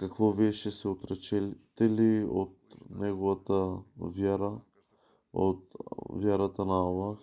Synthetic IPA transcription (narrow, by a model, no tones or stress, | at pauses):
kɐkvoviɛʃɛsɛot̪ɾɛt͡ʃɛlt̪ɛliot̪̚nɛɡovɐt̪əvʲjaɾə | o̰t̪vʲjaɾɐt̪ənɐalˠax